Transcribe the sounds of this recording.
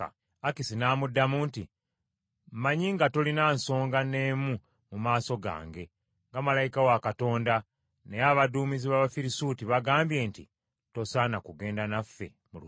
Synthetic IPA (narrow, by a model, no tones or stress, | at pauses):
akisinaːmudːamunti | maɲiŋɡato̞linaːnso̞ːŋɡane̞ːmu | mumaːso̞ɡa̰ːŋɡe̞ | ŋɡamalajikawakato̞ːnda | nejaβaduːmiziβaβafiɾisuːtiβaɡaːmbje̞ːntḭ | to̞saːnakuɡe̞ːndanafːe̞̰ | mulu